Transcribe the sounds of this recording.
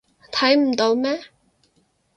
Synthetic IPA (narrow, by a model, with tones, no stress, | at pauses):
t̪ʰɐ˨˥jm̩˨˩t̪o˨˧˥wmɛː˥